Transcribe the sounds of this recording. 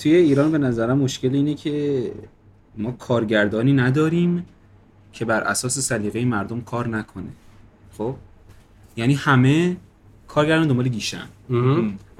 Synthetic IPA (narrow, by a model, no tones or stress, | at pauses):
t̪ʰuje̞iːɾɒːnbe̞næzæɾæmːoʃce̞liːnecʰe̞ | mɒːkʰɒːɾɟæɾd̪ɒːniːnæd̪ɒːɾiːm | cʰe̞bæɾʔæ̰sɒːse̞sæliːɣejemæɾd̪omkʰɒːɾnækʰo̞ne | χob̥ | jæniːhæme̞ | kʰɒːɾɟæɾd̪ɒnd̪ombɒleɡiːʃæ̰n